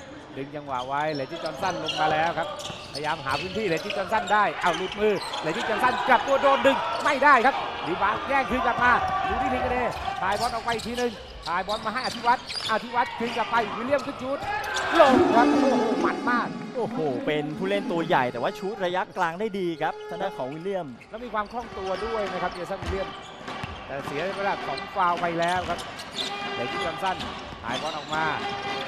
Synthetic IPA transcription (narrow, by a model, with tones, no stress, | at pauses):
ɗɨ˨˧ŋt͡ɕa˨˧ŋwaː˨˩wa˨˧˥jlɛː˨˦t̪iː˧˩t͡ɕɔː˧nsa˧˩nlo˧ŋ͡mmaː˧lɛː˦˥wkʰaː˦˥p̚pʰaː˧jaː˧mɦaː˨˦pʰɨː˧˩nt̪ʰiː˧˩lɛ˨˦tt͡ɕ̪iː˧˩t͡ɕɔː˧nsa˧˩ndaː˧˥˩jʔa˧˩wlu˨˧˩t̪̚mɨː˧˩lɛː˨˦t̪iː˧˩t͡ɕɔː˧nsa˧˩nka˨˩p̚t̪u˧əɗoː˧ndɨ˧ŋma˧˩jdaː˧˥˩jkʰaː˦˥p̚li˨˦ɓaː˨˥t̚zɛː˧˩ŋkʰɨ˧ŋka˨˩p̚maː˧ɗɨ˧ŋt̪ʰi˧t̪i˧kɔ˧˩eː˧˩t̪ʰaː˧˩jbɔː˧˥nʔɔ˨˩w̚wa˧jt̪ʰiː˧nɨ˧ŋ | t̪ʰaː˧˩jbɔː˧˥nmaː˧ɦaː˧˥˩jʔa˧t̪ʰi˧˥˩wa˦˥t̪̚ʔa˨˧˨t̪ʰi˧˩wa˦˥t̪̚kʰɯ˧ŋka˨˩p̚pa˧jku˨˧˦li˧˩əmsʰɨ˧˩t͡ɕʰuː˦˥t̪̚lo˧˩˧kʰa˦˥p̚ʔma˦˥t̪̚maː˥˩k̚ʔoː˨˩hoː˨˩pe˧np̪ʰuː˧˥˩le˥˩nt̪u˧ɐja˨˩jt̪ɛː˨˩waː˥˩t͡ɕʰuː˦˥t̪̚ɾa˧ja˦˥klaː˧ŋdaː˥˩jdiː˧kʰa˦˥p̚t̪ʰaː˧˩naː˥˩kʰɔː˨˩˦wiː˧˦li˥˩əm | nɔ˦˥˩miː˧kʰwaː˧mkʰɔː˥˩ŋt̪u˧ɐdu˥˩əjna˦˥jkʰa˦˥p̚ni˧˨˧sa˥˩nki˧li˥˩əm | t̪ɛː˨˩si˩˦ɐ˦˧wlaː˧˩kʰɔː˨˩˦mkwaː˧wpa˧jlɛː˦˥wkʰa˦˥p̚ta˨˩k̪ʰu˧˥˩wa˧nsa˥˩n | hʰa̰ː˨˩˦jbɔː˨˧˥nʔɔ˨˩k̚maː˧